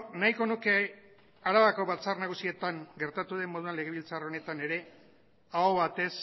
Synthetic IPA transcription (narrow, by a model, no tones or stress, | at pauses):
naiko̞nuke̞ | aɾaβako̞βat͡sarnaɣusie̞t̪aŋɡe̞ɾt̪at̪uðe̞mːo̞ðuanle̞ɣe̞βilt͡saro̞ne̞t̪ane̞ɾe̞ | aoβat̪e̞s